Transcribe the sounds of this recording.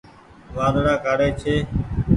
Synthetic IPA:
ʋaːd̪ɽaːkaːɽeːt͡ʃʰeː

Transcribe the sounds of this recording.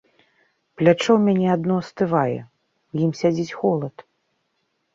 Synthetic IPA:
plʲat͡ʂɔwmʲanʲɛad̪nɔst̪ɨvajɛ̰ | wjimsʲad͡zʲit͡sʲxɔlˠɐt̪

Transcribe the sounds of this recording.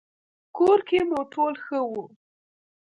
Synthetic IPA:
koɾkemuʈolxəwu

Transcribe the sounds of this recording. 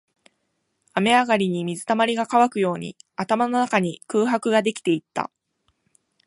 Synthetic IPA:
ame̞aɡaɾʲiɲ̟imʲizɨt̪amaɾʲiɡakaβakɯ̟jo̞ːɲ̟ḭat̪amano̞nakaɲ̟ikɯ̟ːɦakɯ̟ɡad̪e̞kʲi̥t̪e̞it̪ːa̰

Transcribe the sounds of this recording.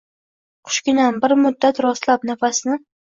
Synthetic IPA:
qʰʊ̥ʃkʲɪnanbɪɾmʊd̪ːat̪ɾɒslap̚nafasɪnɪ

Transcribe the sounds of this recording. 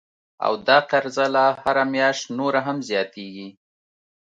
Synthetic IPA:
a̰wd̪ɑqaɾzalahaɾamjɑʃt̪noɾaɦamzjɑt̪eɡi

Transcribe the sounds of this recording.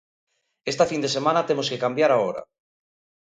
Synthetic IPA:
est̪afind̪esemãnat̪emoskekambjaɾaoɾa̰

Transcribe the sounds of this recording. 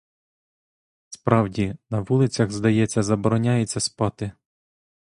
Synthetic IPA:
spɾɑwdʲinɐʋulˠɪt͡sʲɐɣzd̪ɐjɛt͡sʲːɐzɐbɔɾɔnʲajet͡sʲːɐspɑt̪ɪ

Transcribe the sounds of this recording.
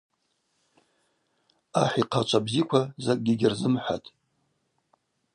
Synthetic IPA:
aħʷiqʰat͡ʃʷʰʼabzikʷʰazakʼɡʲiɡʲɪrzɨmħʷa̰tʼ

